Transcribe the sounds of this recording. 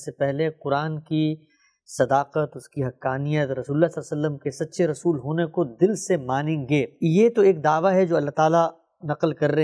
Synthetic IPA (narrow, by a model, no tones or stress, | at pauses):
sepɛɦleqʊɾaːnki | sɐd̪aːqət̪ʊskiɦɐkːaːnijət̪ɾɐsuːlːaslːasəlːəmkesɐt̪ːʃʰeɾɐsuːlɦoːnekod̪ɪlsemaːnẽːŋɡeːjet̪oeːk̚d̪aːʋaɦɛd͡ʒoːɐlːaɦt̪aːla | nɐqəlkɐɾːɐɦ